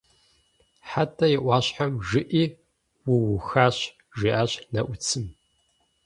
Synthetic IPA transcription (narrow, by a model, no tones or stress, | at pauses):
ħatʰɐjɪʔʷɑːɕħamʒɨʔiː | wʊwʊxaːɕ | ʒiʔaːɕnɐʔʷʊt͡sʰɨm